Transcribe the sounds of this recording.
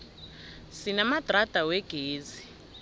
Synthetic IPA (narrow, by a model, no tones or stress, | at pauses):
sinamad̥ʱradʱawɛɡ̥ʱeːd͡zi